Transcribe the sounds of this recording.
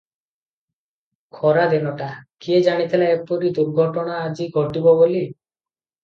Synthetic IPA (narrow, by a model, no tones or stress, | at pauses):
kʰɔɾad̪enɔʈakied͡ʒaɽ̃it̪ʰileepɔɾid̪uɾɡʱɔʈɔɽ̃aːd͡ʒiɡʱɔʈibɔboli